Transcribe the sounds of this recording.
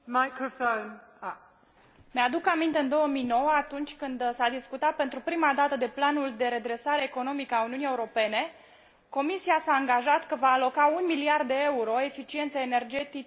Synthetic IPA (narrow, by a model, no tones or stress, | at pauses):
maɪkɹəfõʊn | mead̪ukamint̪e̞ɨnd̪o̞wəmijno̞wəat̪unt͡ʃʲkɨnd̪sad̪iskut̪at̪̚pe̞nt̪ɾupɾimad̪at̪əd̪e̞planuld̪e̞ɾe̞d̪ɾe̞saɾe̞ːko̞no̞mikəauniunie̞uɾo̞pe̞ne̞ | ko̞misiasaːŋɡaʒat̪kəvaːlo̞kaunmiliard̪ːe̞e̞uɾo̞e̞fit͡ʃie̞nt̪seene̞rd͡ʒe̞t̪i